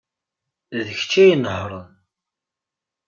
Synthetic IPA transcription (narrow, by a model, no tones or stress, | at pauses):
ðəçt͡ʃːæjənhɾˤən